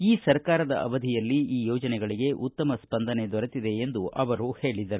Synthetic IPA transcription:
iːsɐɾkaːɾɐd̪ɐ̰ʔɐ̰ʋɐd̪ʱijɐlːiiːjɔːd͡ʒɐnɛɡɐɭiɡe̞ʔut̪ːɐmɐspɐnd̪ʱɐne̞d̪ɔɾɐt̪id̪e̞ːnd̪uʔɐʋɐɾuhe̞ːɭid̪ɐɾu

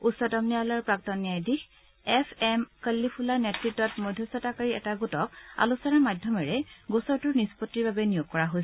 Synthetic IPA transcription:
utsɔtɔmnialaɹpɹak̚tɔnːijajdix | ɛpʰɛmkəlːipʰulaɹnetɹitːɔtmojdʱːɔsɔtakaɹiɛtaɡutɔk̚a̰lusɔnaɹmajdʱjɔmɛɹɛɡusɔɹtʊɹnispɔtːiɹbabɛnijoɡ̚kɔɹaɦojs

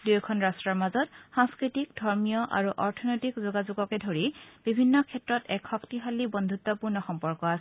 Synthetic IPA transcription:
dujkʰɔnɹastɹɔɹmazɔtxaŋskɹitikdʱɔɹmijɔʔa̰ɹuʔɔɹtʰɔnɔjtikzuɡazuɡɔkɛdʱoɹib̥ibʱinːɔkʰɛtɹɔtɛkxɔktiɦalibɔndʱutːɔpuɹnɔxɔmpɔɹkɔasɛ

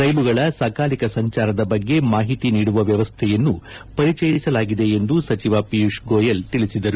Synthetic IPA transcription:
ɾɐjluɡɐɭɐsaːkʰaːlikɐsɐɲt͡ʃaːɾɐd̪ɐbɐɡːe̞maːɦit̪iniːɽuʋɐʋjɐʋɐst̪ʰɛjɐnːu | pɐɾit͡ʃɛːjisɐlaːɡid̪e̞end̪usɐt͡ʃiʋapijuʂɡoːjɐlt̪iɭisid̪ɐɾu

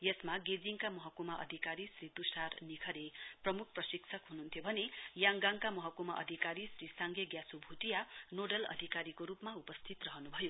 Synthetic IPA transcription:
jesmaɡed͡ziŋkamʌɦʌkumaʔʌ̰d̪ʱikaɾisrit̪usarnikʰʌɾeprʌmuk̚ʰprʌsiksʰʌkɦununt̪ʰjobʱʌnejaŋɡaŋkamʌɦʌkumaʔʌ̰d̪ʱikaɾisrisaŋɡjeɡjasubʱuʈijanoɖʌlʌ̰d̪ʱikaɾikoɾupmaupʌst̪ʰit̪rʌɦʌnubʱʌjo

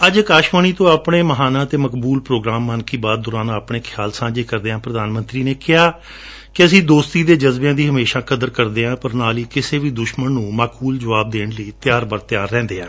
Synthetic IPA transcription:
əd͡ʒəkaːʃʋəɳiːt̪õːapɽeːməɦaːnãːt̪eːməkbuːlpɾoːɡɾaːmːənkiːbaːd̪̚ːʊɾaːnãːəpɳeːkʰjaːlsãːd͡ʒeːkəɾd̪eːãːpɾəd̪aːnmə̃nt̪ɾiːneːkɪjaː | kɪəsĩːd̪oːst̪iːd̪eːd͡ʒəzbeãːd̪iːɦəmeːʃaːkəd̪əɾkəɾd̪eːãːpəɾnaːliːkɪseːʋiːd̪ʊʃmənːũːmaːkuːld͡ʒəʋaːb̚d̪eːɳləiːt̪ɪjaːɾbəɾt̪ɪjaːɾːɛ̃ːnd̪eːãː

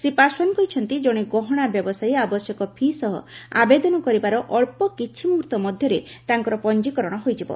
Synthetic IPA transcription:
sepaswɔnkɔjt͡ʃʰɔnt̪id͡ʒɔɽ̃eɡɔɦɔɽ̃abjɔbɔsajabɔsjɔkɔpʰisɔɦɔ̰a̰bed̪ɔnɔkɔɾibaɾɔʔɔɭpɔkit͡ʃʰimuɾt̪ɔmɔd̪ʱjɔɾet̪aŋkɔɾɔpɔnd͡ʒikɔɾɔɽ̃ɔɦojd͡ʒibɔ̰

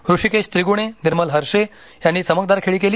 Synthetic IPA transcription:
ɾuʂikeɕt̪ɾiɡuɽ̃eniɾməlɦəɾʂe | janːiːsəmək̚d̪aɾkʰeɭiːkeliː

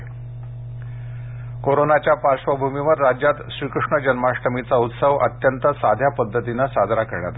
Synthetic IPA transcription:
koɾonat͡ɕjapaɾʂʋəbʱumiʋəɾːad͡ʑjat̪ɕɾiːkɾuʂɳəd͡ʑənmaʂʈəmit͡saut̪səʋə̰t̪jənt̪əsad̪ʱjapəd̪ʱːət̪inəsad͡z̪ʱɾakəɾɳja̰t̪a

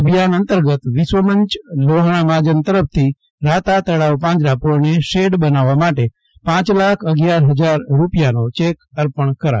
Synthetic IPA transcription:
əbʱijanənt̪əɾɡət̪ʋisʋəməɲt͡ʃloɦɽ̃amad͡ʒənt̪əɾəf̚ʰt̪ʰi | ɾat̪at̪əɽaʋpãd͡ʒɾapoɾɳeʃeɖbənaʋamaʈe | pãt͡ʃlakʰəɡjaɾɦəd͡zaɾɾupjanot͡ʃekəɾpəɳkəɾa̰

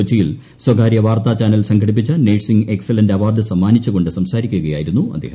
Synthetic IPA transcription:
ot͡ɕːijil | swɐɡaːɾjɐʋaːrt̪aːt͡ɕaːnɐlsɐŋɡʰʱɐɽip̬ːit͡ɕːɨneːʈsiŋɡekselɐndɐʋaːrd̪ɨsɐmːaːnit͡ɕːuɣo̞ɳɖɨsɐmsaːɾikʲːuɣɐjaːjiɾunːuɐ̰d̪ʱːeːhɐ

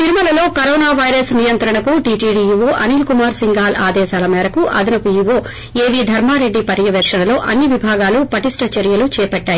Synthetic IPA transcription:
t̪iɾumɐlɐlo̞ːkɐɾoːnaːʋɐjɾɐsnijɐnt̪ɾɐɳɐkuʈiːʈiːɖiːjuʋoːʔɐniːlkumaːɾsiŋɡaːlaːd̪ɛːʃaːlɐmɛːɾɐkuʔɐ̰d̪ɐnɐpujuʋoː | eːʋid̪ʱɐɾmaːɾe̞ɖːipɐɾjɐʋjɐkʂɐnɐlo̞ːʔɐnːiʋibʱaːɡaːlupɐʈisʈɐt͡ʃɐɾjɐlut͡ʃɛːpɐʈːaːji

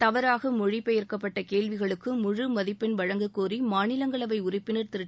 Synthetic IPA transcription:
t̪ɐʋɐɾaːɣɐmʊɻɪpːɐjɪɾkːɐpːɐʈːɐkeːɭʋɪɣɐɭɯkːɯmʊɻɯmɐðɪpːɪnʋɐɻɐŋɡɯkːuːrimaːnɪlɐŋɡɐɭɐʋɐɪʊrɪpːɪnɐɾt̪ɪɾɯʈː

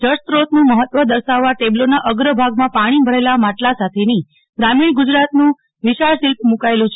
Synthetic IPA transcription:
d͡ʒəɾt̪ɾot̪nũməɦət̪ʋəd̪əɾsaʋːaʈeblonaʔəɡɾəbʱaɡmãpaɽ̃ibʱəɾelamaʈlasat̪ʰeni | ɡɾamiɳɡʊd͡ʒɾat̪nũ | ʋɪʃaɭsilp̚ʰmũkaelũt͡ʃʰe

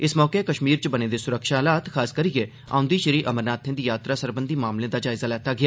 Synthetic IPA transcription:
ɪsmɔːkeːkəʃmiːɾt͡ʃbəneːd̪eːsʊɾəkʃaːlaːt̪kʰaːskəɾɪjeː | a̰ːʊ̃nd̪iːʃəɾiːʔəməɾnaːt̪ʰẽd̪iːjaːt̪ɾaːsəɾbənd̪iːmaːmlẽːd̪aːd͡ʒaːɪzaːlɛːt̪aːɡɪaː

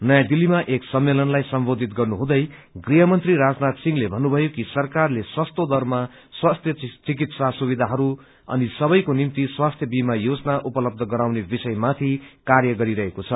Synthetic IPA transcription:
nʌjãd̪ilimaʔeksʌmːelʌnlajsʌmbod̪ʱit̪̚ɡʌrnuɦũd̪ʌj | ɡriɦʌmʌnt̪riɾad͡znat̪siŋlebʱʌnːubʱʌjokisʌrkarleswʌst̪od̪ʌrma | swast̪ʰjʌt͡sik̬it̪sasubid̪ʱaɦʌɾu | ʌ̰nisʌbʌjkonimt̪iswast̪ʰjʌbimajod͡zʌnaʔupʌlʌb̚d̪ʱʌɡʌɾawnebisʌjmat̪ʰikarjʌɡʌɾiɾʌɦekot͡sʰʌ

